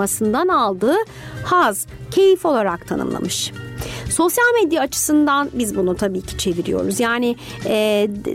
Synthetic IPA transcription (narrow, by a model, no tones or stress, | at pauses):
asɯnd̪analˠd̪ɯː | haz̥ | cʰe̞jifo̞lˠaɾak̚t̪ʰanɯ̰mlˠa̰mɯʃ | so̞sjalʲmɛd̪jaːt͡ʃʰɯ̥sɯnd̪anbizbunut̪ʰabiːcʰi̥t͡ʃʰe̞viɾḭjo̞̰ɾuzjaːnɪ | ɛː